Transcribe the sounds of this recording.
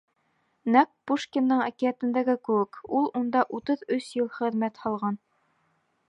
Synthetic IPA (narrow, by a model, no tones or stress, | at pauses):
næk̚puʃkʲenːɤɴakiæt̪ɘ̆nd̪æɡɘkɘwɘkulˠund̪ɑʔut̪ɤðɵsjɤlˠχɘ̆ðmæt̪hɑlˠʁɑn